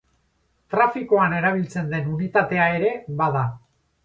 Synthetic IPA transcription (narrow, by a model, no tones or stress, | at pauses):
t̪ɾafikoane̞ɾaβ̞ilt͡se̞nd̪e̞nunit̪at̪e̞ae̞ɾe̞βaða